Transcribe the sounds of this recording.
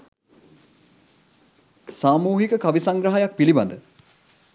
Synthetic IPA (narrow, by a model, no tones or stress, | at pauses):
saːmuːɦikəkaʋisaŋɡɾəɦajak̚piliba̰nd̪ə